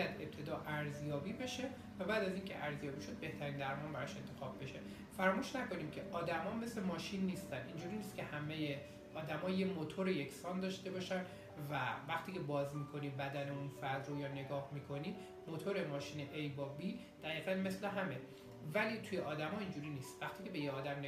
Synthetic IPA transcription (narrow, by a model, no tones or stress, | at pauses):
jæd̪e̞p̚t̪ʰe̞d̪ɒːʔæɾzjɒːbiːbe̞ʃe̞ | væbæːd̪æziːŋcʰe̞ʔæɾzjɒːbiːʃo̞d̪̚be̞ht̪ʰæɾiːnd̪æɾmɒːnbæɾɒʃe̞nt̪ʰe̞xɒːbbe̞ʃe̞ | fæɾmuːʃnækʰo̞niːmcʰe̞ʔɒːd̪æmɒːme̞sle̞mɒːʃinːiːst̪ænind͡ʒuːɾiːniːst̪̚cʰe̞hæmeje | ʔɒːd̪æmɒːjemot̪ʰo̞ɾeje̞kʰsɒːnd̪ɒːʃt̪e̞bɒːʃæn | vævæxt̪ʰiːcʰe̞bɒːzmiːkʰo̞niːbæd̪æne̞unfæɾd̪ɾojɒːne̞ɡɒːhmiːkʰo̞ni | mot̪ʰo̞ɾe̞mɒːʃiːneʔejbɒːbiː | d̪̥æjiːɣælme̞sleɦæme̞ | væliːt̪ʰuːjeʔɒːd̪æmɒːind͡ʒuːɾiːniːst̪væxt̪ʰiːcʰe̞be̞jeɒːd̪æmne